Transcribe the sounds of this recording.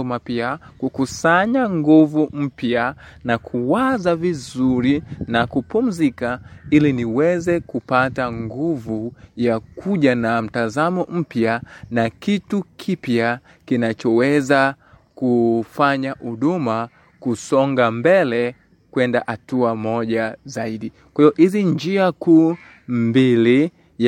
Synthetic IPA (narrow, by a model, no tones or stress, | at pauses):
mapiakukusaɲaŋɡuvum̩pjanakʰuwazavizuɾinakupum̩zikailiniwɛzɛkupataŋɡuvujakuʄanam̩tazamɔm̩pjanakitukʰipja | kinat͡ʃɔwɛza | kufaɲaʔuɗuma | kusɔŋɡambɛlɛ | kwɛndaʔatuamɔʄazaiɗikwaivɔʔiziɲd͡ʒiakuː | mbili